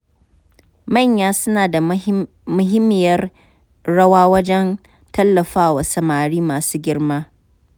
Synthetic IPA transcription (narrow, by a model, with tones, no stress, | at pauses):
mɐ˦˨ɲjaː˦sʊ˦naː˨da˨ | mʊ˦ɦɪ˦mːɪ˨jɐ˦r | ɽɐ˦waː˦wɐ˦d͡ʒɛ˦n | tɐ˦lːɐ˨ɸaː˦wɐ˨sɐ˨maː˨ɽiː˦maː˨suː˦ɡʲɪ˦rmaː˦